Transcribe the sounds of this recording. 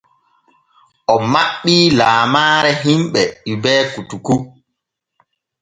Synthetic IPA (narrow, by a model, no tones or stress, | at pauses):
ʔɔmaɓːiːlaːmaːɾɛɦimɓɛɗibɛːkutuku